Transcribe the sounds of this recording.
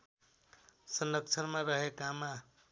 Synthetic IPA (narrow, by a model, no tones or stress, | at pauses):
sʌnʌk̚t͡ʃʰəɾmaɾʌɦekama